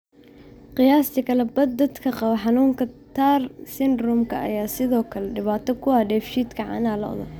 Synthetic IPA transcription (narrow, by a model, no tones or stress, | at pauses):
qɪjaːst̪ʰikʰɐlɛbɐd̪ɐd̪kʰɐqɑβɐħɑnuːŋkʰɐt̪ʰaːrsɪnd̪ɾʊmkʰɐʔɐ̰jaːsɪðɔːkʰɐlɛɖɪβaːt̪ʰɔkʰʊwɑːɖɛːfʃiːd̪kʰɐʕɑ̰ːnaːlɐʔɔ̰ðɐ̰